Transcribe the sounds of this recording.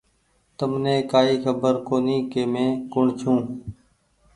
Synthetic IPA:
t̪əmnẽːkaːiːxʰəbəɾkoːniːkeːmẽːkʊɳt͡ʃʰũː

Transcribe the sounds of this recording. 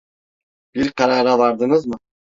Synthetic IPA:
b̥iɾqʰɑɾɑʁɑbɑɾd̪ɯɴɯzmɯ

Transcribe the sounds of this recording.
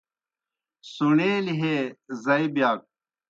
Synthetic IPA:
suneːliɦezɐibjaːk̚

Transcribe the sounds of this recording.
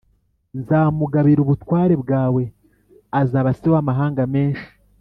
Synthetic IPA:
nzaːmuɡaβiɾuβutwaːɾe̞bɡaːwe̞ | azaːβasiwamaɦaːŋɡame̞ːnʃi̥

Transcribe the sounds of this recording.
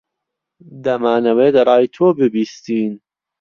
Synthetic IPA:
d̪ɐmaːnɐweːd̪ɾˤɑːjt̪ʰoːbɨbiːst̪iːn

